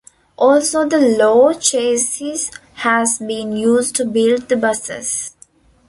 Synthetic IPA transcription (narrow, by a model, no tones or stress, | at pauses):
ʔɔːlsoːd̪əloːt͡ʃeːsɪz | hæzbĩːnjuːzɖʈubɪlɖ̚d̪əbʌsɪ̰z̥